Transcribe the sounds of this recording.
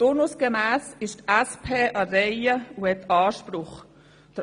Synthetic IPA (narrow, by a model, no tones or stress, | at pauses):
tonusɡ̥emæːsɪʃtæspʰeːʔɑɾɛɪəuhɛt̪ʰɑːʃpɾʊχ | d̥ə